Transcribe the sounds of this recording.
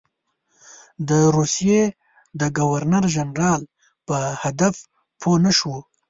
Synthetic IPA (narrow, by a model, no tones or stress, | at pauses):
d̪əɾusije | d̪əɡawaɾnaɾʒanɾɑːl | pəhad̪af | pʰonəʃu